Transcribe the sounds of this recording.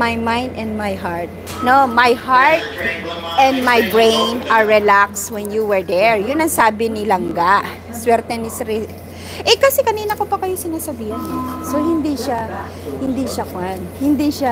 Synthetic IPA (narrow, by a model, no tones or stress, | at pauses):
majmãjnd̪ɛ̃nd̪̚majɦaɹt̪̚ | nomajhaɹt̪̚ʔɛ̃nd̪̚majbɹẽjnɐɹːɛlakswɛnjuwɛɹd̪ɛɹjʊnɐŋsaːbɪnɪlɐŋɡaʔ | swɛɾt̪ɛnɪsɾɪ | ʔɛkɐsɛkɐniːnɐkopɐkɐjosɪnaːsɐbiːhɪnsohɪnd̪iʃa | hɪnd̪iʃakʊanhɪnd̪iʃa